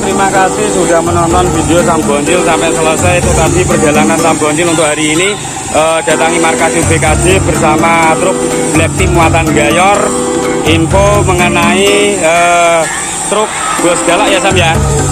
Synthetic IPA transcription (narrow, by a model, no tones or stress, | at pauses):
t̪ɾimakasihsuda̤hmənɔnt̪ɔnfideosambɔɲt͡ʃɪlsampɛsələsajt̪ut̪asipər̥d͡ʒa̤lanansambɔɲt͡ʃɪlunt̪ʊʔɦaɾiːni | ʔəd̥ä̤t̪aŋimarkasibekad͡ʒ̥ɪb̥ərsamat̪ɾʊk̚dilɛk̚t̪ɪmuat̪anɡajɔrimpoməŋənaiə | t̪ɾʊk̚ | b̥ɔsəɡ̥alaʔjasambia